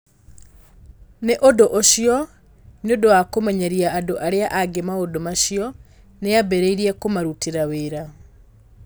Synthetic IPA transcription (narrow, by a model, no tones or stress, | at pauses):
neʔodoʔoɕiɔ | neodowakomɛɲaɾiaːdoʔaɾeaʔaɡemaodomaɕiɔ | neabɛɾeiɾiɛkomaɾutiɾaweːɾa